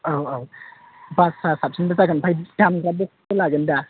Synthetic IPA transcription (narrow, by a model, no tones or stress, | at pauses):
ʔawaw | basasap̚sʰənbazakanpʰajdamɾabok̚təlaɡənda